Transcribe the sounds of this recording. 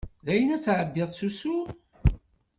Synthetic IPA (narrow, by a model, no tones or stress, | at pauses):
ðæjənæt͡sːʕəd̪ːɪðˤsusu